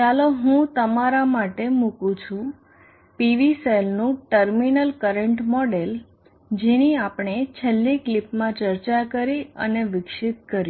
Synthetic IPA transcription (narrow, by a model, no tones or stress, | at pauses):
t͡ʃaloɦũt̪əmaɾamaʈemũkũt͡ʃʰũ | piʋiselnũʈəɾminəlkəɾəɳʈmɔɖel | d͡ʒeniapɳ̃et͡ʃʰəlːiklipmãt͡ʃəɾt͡ʃakəɾiə̰neʋɪkʃɪt̪̚kəɾji